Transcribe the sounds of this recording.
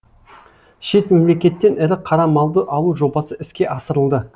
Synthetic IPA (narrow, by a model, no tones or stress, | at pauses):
ʃe̞t̪me̞mle̞kʲe̞t̪ːe̞nɪɾɪqʰɑɾɑmɑlˠd̪əʔɑlˠuʒo̞bɑsəɪskʲe̞ʔɑsəɾəlˠd̪ə